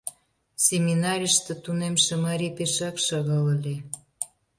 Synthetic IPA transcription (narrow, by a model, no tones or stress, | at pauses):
sʲemʲinɑɾʲəʃt̪ĕt̪unemʃĕmɑɾʲipeʃɑkʃɑɣɑləlʲe